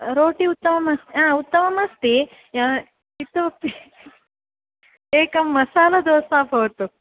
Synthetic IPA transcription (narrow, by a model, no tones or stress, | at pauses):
ɾoːʈiut̪ːɐmɐmɐst̪iãːut̪ːɐmɐmɐst̪i | it̪ːui | eːkɐmːɐsaːlɐd̪oːsaːpoːt̪ːu